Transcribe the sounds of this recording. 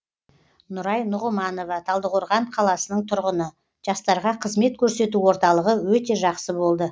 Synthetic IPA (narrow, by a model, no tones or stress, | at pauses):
nʊɾɑjnʊʁʊlˠmɑno̞vɑt̪ʰɑlˠd̪əʁoɾʁɑɴqʰɑlˠɑsənəɴt̪ʰʊɾʁənə | ʒ̥ɑst̪ɑɾʁɑqʰəzme̞t̪̚kʲʰɵɾse̞t̪uwo̞ɾt̪ɑlˠəʁəwɵt̪e̞ʒɑqsəbo̞lˠd̪ə